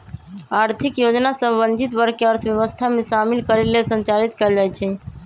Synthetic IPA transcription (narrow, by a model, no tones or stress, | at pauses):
aɾt̪ʰikjod͡ʒnasəbənd͡ʒʱit̪bəɾkeəɾt̪ʰbjeʋəst̪ʰamesamilkəɾelesənt͡ʃalit̪kɛld͡ʒajt͡ʃʰɛ